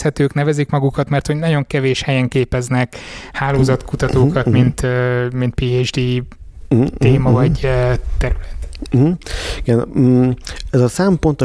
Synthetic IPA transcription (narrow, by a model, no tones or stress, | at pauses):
shɛt̪øːknɛvɛzikmɒɡukɒt̪mɛrt̪hoɟnɒɟo̞ŋkɛveːʃhɛjɛŋkeːpɛznɛkhaːloːzɒt̪kut̪ɒt̪oːkɒt̪mint̪ːmint̪piːed͡ʒd̪iː | t̪eːmɒvɒɟt̪ɛɾylɛt̪̩ | iɡɛn | ɛzɒsɛmpont̪o